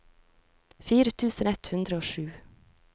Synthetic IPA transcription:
fiːɾət̪ʰʉːsənɛt̪hʉnd̪ɾəoːʃʉː

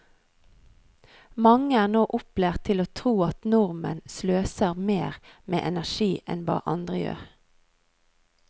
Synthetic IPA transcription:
mɑŋəæːʁnoːʔʊpleːʁt̪ʰːɪloːt̪ʰʁuːɑt̪nʊʁmə̰nsløːsəʁmeːʁmḛːʔɛnæʃiːʔɛ̰nbɑ̰ːʔɑnd̪ʁəjø̰ːʁ

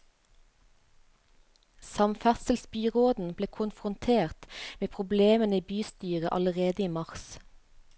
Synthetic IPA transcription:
sɑmfæsəl̩sbyːʁoːd̪n̩b̥leːkʰʊnfʁʊnt̪ʰeːʁt̪meːpʰʁʊbleːmənəiːbyːst̪yːʁəʔɑ̰ləʁeːd̪əiːmɑʁs

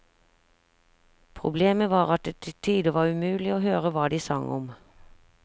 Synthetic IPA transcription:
pʰʁʊ̰bleːməʋɑːʁɑt̪̚d̪ɛt̪ʰɪt̪ʰiːd̪əʋɑːʁʉmʉːlɪoːhøːʁəʋɑːd̪iːsɑŋʔɔm

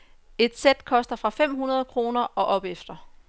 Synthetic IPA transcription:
e̝d̥sed̥kʰɒ̽sd̥ɐfʁɑ̈fem̰ɦunɐð̞ˠkʰʁo̝ːnɐʔɒ̽ʔɒ̽b̥efd̥ɐ

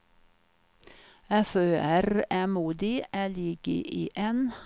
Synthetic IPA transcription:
ɛføːæɾæːmuːd̪ɪʔæːlɪɡə̰ʔiːʔeːn

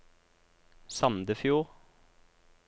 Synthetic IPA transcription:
sɑmd̪əfjuːʁ

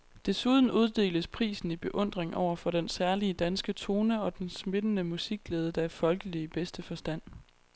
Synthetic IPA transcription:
d̥e̝suð̞ˠn̩uð̞ˠd̥e̝̰ːləspʰʁḭːsn̩ib̥e̝ʔɔ̽n̰d̥ʁeŋʔɒ̰ʊ̰ɐfɒ̽ɾ̥ensæɐliəd̥ænsɡ̥ət͡sʰo̝ːnəɒ̽d̥ensme̝d̥ənəmusiɡ̥ːleːð̞ˠəd̥ɑæɐfɒ̽lɡ̥əliəb̥esd̥əfɒ̽sd̥æn̰

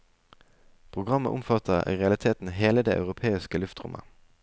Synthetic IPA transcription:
pʰʁʊɡʁɑmːə̰ʔʊmfɑt̪əʁḭːʁɛɑlɪt̪ʰeːt̪n̩ɦeːləd̪ḛːʔɑ̰ʉʁʊpʰeːɪskəlʉft̪ʁʊ̰mʔə̰

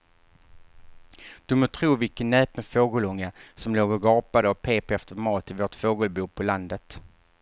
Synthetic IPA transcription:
d̪̥ɵmɔt̪ʰɾuːvɪkənːɛːpənfoːɡəlɵŋːasɔmloːɡɔɡɑːpad̪əɔpʰeːpɛft̪əɾmɑːt̪ɪvoːʈfoːɡəlbuːpʰɔland̪ət̪

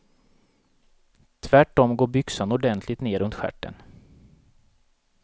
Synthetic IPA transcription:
t̪ʰvæʈːɔmɡoːɾbʏksanɔɖɛnt̪ʰlɪt̪neːɾɵnt̪ɧæ̰ʈːə̰n

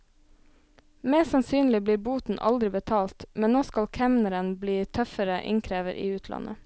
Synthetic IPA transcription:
mɛːsɑnsyːnlɪbliːbuːt̪n̩ʔɑ̰ld̪ɾɪbət̪ʰɑːlt̪mɛnnoːskɑlkʰɛmnəɾənbliːt̪ʰœfəɾəʔɪ̰ŋkʰɾeːʋəɾʔḭːʉːt̪ʰlɑ̰nə̰

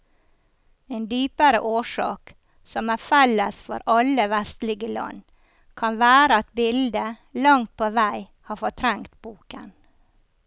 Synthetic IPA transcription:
eːnd̪yːpəɾə̰ʔoːʃɑ̰ːk | sɔmæːfɛləsfɔ̰ɾʔɑləʋæst̪lɪɡəlɑ̰n | kʰɑnʋæːɾəɑt̪bɪld̪ə | lɑŋt̪̚pʰoːʋæɪ | hɑːfɔʈ̪ʰɾɛŋt̪b̥uːkə̰n

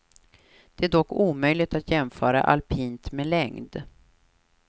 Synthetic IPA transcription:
d̪̥ɛæɖɔkːuːmœjlɪɡ̚t̪at̪jɛnfœːɾa̰ʔa̰lpʰiːnt̪mɛlɛŋd̪

